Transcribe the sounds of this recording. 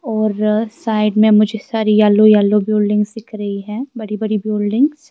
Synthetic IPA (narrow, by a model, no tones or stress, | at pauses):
ɔːɾsaːɪɖmẽmʊd͡ʒʱesaːɾijaːlojaːlobjuːlɖɪ̃ŋɡsɪkʰɾɐɦiɦɛ̃ːbɐɽibɐɽibjoːlɖɪ̃ŋɡs